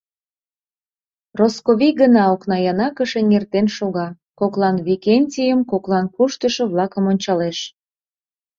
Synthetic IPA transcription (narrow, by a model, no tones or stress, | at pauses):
roskoβiɡənɑoknɑjɑnɑkəʃenʲert̪enʃoɣɑ | koklɑnβikenʲtʲijəmkoklˠɑnkuʃt̪əʃə̆βlˠɑkəmonʲt͡ɕɑleʃ